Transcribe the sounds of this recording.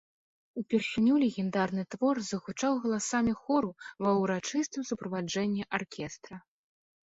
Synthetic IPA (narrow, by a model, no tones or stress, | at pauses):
upʲɛrsʲinʲulʲɛɣʲɛnd̪arnɨt̪vɔrzɐɣut͡ʂawɣɐlˠasamʲixɔɾuvɐwɾat͡ʂɨst̪ɨmsupɾɐvad͡ʐɛnʲːɛʔarkʲʰɛst̪ɾɐ